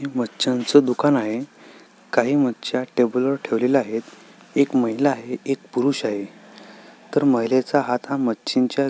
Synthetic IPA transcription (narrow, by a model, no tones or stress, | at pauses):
eməːɕãnt͡səd̪ukanaɦe | kaɦiːmətːɕjaʈebuləɾʈʰeʋleləaɦet̪ | ekməɦilaaɦeek̚puɾuɕaɦe | t̪əɾməɦjlet͡saɦat̪ɦamətːɕiɲt͡ɕja